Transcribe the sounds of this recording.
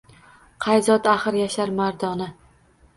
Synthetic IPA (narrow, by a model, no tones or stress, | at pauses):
qʰɑjzɒd̪aχɨɾjaʃaɾmaɾd̪ɒnɪ